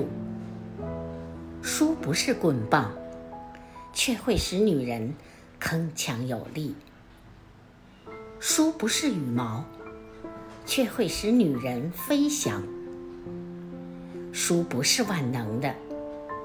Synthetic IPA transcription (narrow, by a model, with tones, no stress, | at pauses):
ʂu˥pu˧˥ʂɻ̩˥˧kwə˥˧npɑ˥˩ŋ | t͡ɕʰɥɛ˥˧xwe˥˩ɪʂɻ̩˧˥ny˨˩ɻə˧˥n | kʰɤ˥ŋt͡ɕʰjɑ˧˥ŋjo˨˩ʊli˥˩ | ʂu˥pu˧˥ʂɻ̩˥˩y˨˩mɑ˧˥ʊ | t͡ɕʰɥɛ˥˧xwe˥˩ɪʂɻ̩˧˥ny˨˩ɻə˧˥nfe˥ɪɕjɑ̰˧˥ŋ | ʂu˥pu˧˥ʂɻ̩˥˧wa˥˩nnɤ˧˥ŋd̪ə˧